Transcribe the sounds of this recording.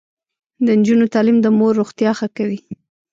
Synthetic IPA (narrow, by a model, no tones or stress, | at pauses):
d̪ənd͡ʒunot̪ɑlimd̪əmoɾːoɣt̪jɑxakawi